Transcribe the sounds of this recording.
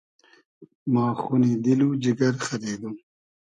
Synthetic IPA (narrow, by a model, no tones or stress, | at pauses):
mɑ̃ːxunid̪ilud͡ʒiɡɐɾxɐɾeːd̪um